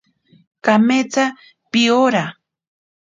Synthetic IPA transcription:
kamet͡sa | pioɾa

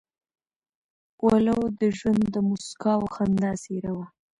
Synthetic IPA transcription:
walawd̪əʒwand̪d̪əmuskɑwxand̪aseɾawa

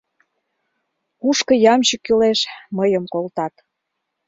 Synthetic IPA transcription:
uʃkə̆jɑmt͡ɕəkːyleʃməjəmkolt̪ɑt̪

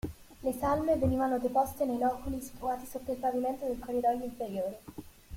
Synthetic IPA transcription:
lesalmeveniːvanod̪epost̪enejnɔːkulisfɾuaːt̪isot̪ːailpaviment̪od̪elkorːid̪ɔjːoiɱfeɾjoːɾe

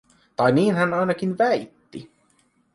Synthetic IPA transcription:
t̪ɑjniːnɦænɑjnɑk̟inʋæjt̪ːḭ

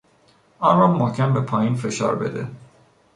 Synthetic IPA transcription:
ɒːnrɒmocʲʰænbepʰɒːjiːnfe̞ʃɒ̰ːɾbe̞d̪ḛ

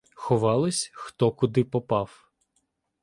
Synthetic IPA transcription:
xɔʋɑlˠɪsʲxt̪ɔkʊd̪ɪpɔpɑw

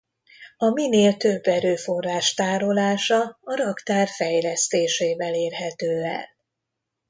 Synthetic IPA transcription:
ɒmineːlt̪øbːɛɾøːfo̞raːʃt̪aːɾo̞laːʃɒɒɾɒkt̪aːrfɛjlɛst̪eːʃeːvɛleːrɦɛt̪øːɛ̰l

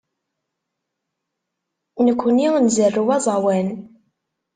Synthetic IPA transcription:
nəkʷːəninzərːuwæzˤɑwæn

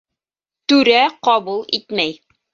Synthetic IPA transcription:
t̪ʉɾæqɑbulˠit̪mæj

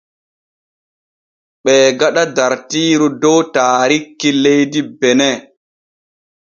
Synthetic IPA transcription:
ɓɛːɡaɗadaɾtiːɾudɔwtaːɾikːilejdibɛnɛ

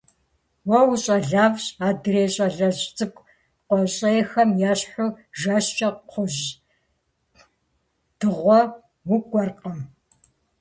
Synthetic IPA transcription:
wɐwuɕʼɐɮaːvɕʼaːdɨreːɕʼɐɮɐɕʼt͡sʼɨkʷ | qʷɔɕʼɐjɛxɐmjaːɕħʷʊʒaɕt͡ʃʼɐqʷʰʊʑ | d̥ɨʁʷɔ | wʊɡʷʼɔrqʼəm

